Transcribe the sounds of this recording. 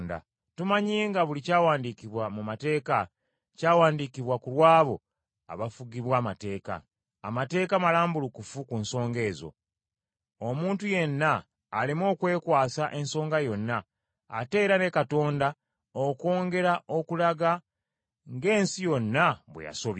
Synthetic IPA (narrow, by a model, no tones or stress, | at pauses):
nda̰ | tumaɲiːŋɡaβulicaːwaːndikiβwamumate̞ːka | caːwaːndikiβwakulwaːβo̞ | a̰βafuɡiβwaːmate̞ːka̰ː | mate̞ːkamalaːmbulukufukunso̞ːŋɡe̞ːzo̞̰ | omuːntuje̞nːaː | limo̞ːkwe̞ːkwaːsaʔe̞nso̞ːŋɡajo̞nːaː | te̞ːɾane̞kato̞ːnda | oko̞ːŋɡe̞ɾaʔo̞kulaɡa | ŋɡe̞ːnsijo̞nːaβwḛja̰so̞β